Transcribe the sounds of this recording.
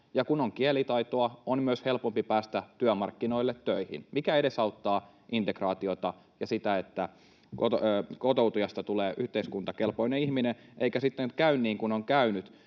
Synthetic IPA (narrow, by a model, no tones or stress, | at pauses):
jɑkunoŋkielit̪ɑit̪oɑonmyøshelpompipæːst̪æt̪yæmɑrkːinoilːet̪ːøihḭnmikæedesɑut̪ːɑː | ʔint̪ekrɑːt̪iot̪ɑ | jɑsit̪æet̪ːæ | kotːkot̪out̪ujɑst̪ɑt̪uleːʔyht̪eiskunt̪ɑkelpoineihminenʔeikæsit̪ːenkæynːiːŋkunoŋkæynyt̪